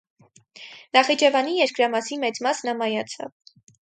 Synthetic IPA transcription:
nɑχid͡ʒɛvɑnijɛɾkɾɑmɑsimɛt͡smɑsnɑmɑjɑt͡sʰɑ̰v

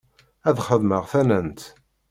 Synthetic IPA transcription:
æðχəðməʁθænənt̪

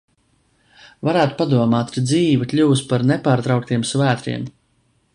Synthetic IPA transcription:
vaɾæːt̪u̥pad̪uɔmaːt̪ɾid̪ziːvakʎʲuwuspaɾnepaːɾt̪ɾawk̚t̪iɛmsvæːt̪ɾḭɛm

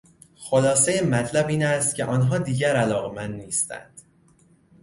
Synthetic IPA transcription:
xolɒːsejemæt̪ʰlæbiːnæst̪cʰe̞ʔɒːnɦɒːd̪iːɟæɾælɒːɣemænd̪niːst̪æ̰nd̪̥

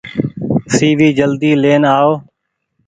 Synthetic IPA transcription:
siːʋiːd͡ʒəld̪iːleːnaːoː

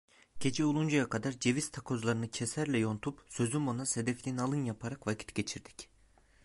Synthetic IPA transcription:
ɟ̥e̞d͡ʒɛulˠund͡ʒajakʰad̪aɾd͡ʒe̞vist̪ʰakʰo̞zlˠaɾɯnɯcʰesæɾlʲɛjo̞nt̪ʰupsø̞zymonase̞d̪ɛflʲinalˠɯnjapʰaɾakvacʰi̥t̪ɟe̞t͡ʃʰiɾd̪i̥c

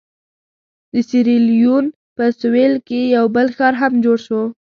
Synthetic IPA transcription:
d̪əsiɾilijun | pəsʊwelkejawbəlxɑɾɦamd͡ʒoɽʃo

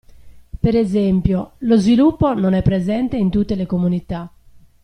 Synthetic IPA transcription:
peɾezempjolozvilupːononɛpːɾezɛnt̪eint̪ut̪ːelekomunit̪a

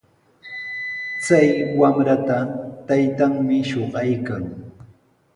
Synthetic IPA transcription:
t͡sajwamɾat̪at̪ajt̪aŋmɪʃoɢɑjkaŋ

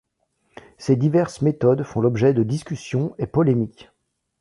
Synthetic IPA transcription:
sed̪ivɛʁsmet̪ɔd̪fɔ̃lɔbʒɛd̪əd̪iskʲysjɔ̃epɔlemik

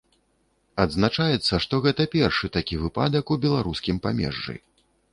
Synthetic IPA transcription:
ɐd̪znat͡ʂajɛt̪sːɐʂt̪ɔɣɛt̪ɐpʲɛrʂɨt̪akʲivɨpa̰d̪ɐkubʲɛlˠaɾuskʲimpamʲɛ̰ʐːɨ̰

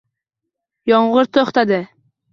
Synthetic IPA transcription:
jɒɴʁʊɾt̪ʰoχt̪ad̪ɪ

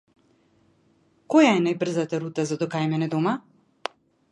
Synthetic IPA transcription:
kojajɛnajbr̩zat̪aɾut̪azad̪ɔkajmɛnɛd̪ɔma

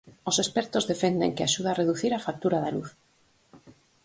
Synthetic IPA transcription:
osespeɾt̪ozðefend̪ḛŋkeaʃuð̞areðuθiɾafak̚t̪uɾaðaluθ

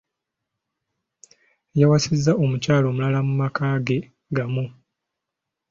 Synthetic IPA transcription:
jawasizːaʔo̞mucaːlo̞ːmulalamumakaːɡe̞ | ɡamu

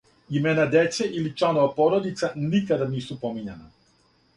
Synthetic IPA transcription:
imeːnad̪jet̪seʔilit͡ʃlˠanoʋapo̞ɾo̞d̪it̪sanikad̪aniːsupo̞miɲana

